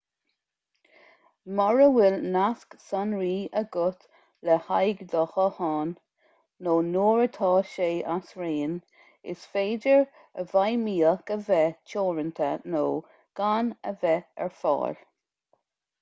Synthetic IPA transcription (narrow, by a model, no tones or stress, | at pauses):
mɔɹəwɪlnasksɔnɹiːəɡʊt̪ | lɛhajɡd̪ɔxəhɑːnː | oːnoːɹət̪ʰɑːʃeːʔasɹeːn | ɪ̰sfeːdəɹ | əvajmiːəkəvɛt͡ʃʰoːɹənt̪ʰə̰noː | ɡ̥anəvɛɛ̰ɹfɑ̰ːɹ